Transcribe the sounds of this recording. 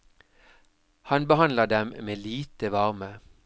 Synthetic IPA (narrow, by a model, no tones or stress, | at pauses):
hɑnbəhɑnləd̪ɛmmeːliːt̪əʋɑʁmə